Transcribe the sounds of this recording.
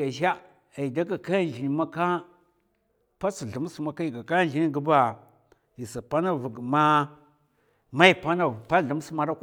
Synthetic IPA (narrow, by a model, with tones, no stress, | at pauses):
a˨ʃa˦ | a˨i˨da˦ka˨ka˦˨n˨d͡ʒi˨ni˨ma˦ka˦ | pa˦si˨ɮu˨m˦sma˦ka˦i˨ɡa˨ka˦n˨i˨ni˦ɡə˦ba˨ | ji˨sa˨pa˦na˦vu˨ɡma˦ | ma˦i˦pa˦na˨pa˦ɮu˨m˦sma˨ɾa˦k